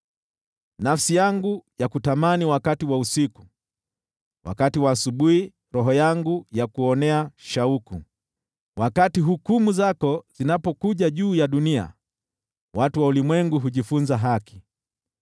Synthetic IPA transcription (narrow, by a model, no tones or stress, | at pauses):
nafsijaŋɡujakutamaniwakatiwausiku̥ | wa̰katiwaːsuɓuhi | ɾɔɦɔjaŋɡujakuɔnɛaʃaukṵ | wʔakatiɦukumuzakɔzinapɔkuʄaʄuːjaɗunia̰ | watuwaulimwɛŋɡuɦuʄifunzaɦaki̥